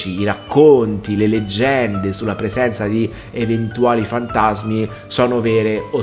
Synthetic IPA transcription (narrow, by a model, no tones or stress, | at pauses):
t͡ʃiːɾakːont̪ileled͡ʒːɛnd̪esulːapɾezɛnt̪sad̪i | event̪uaːlifant̪azmi | sɔːnovɛːɾeo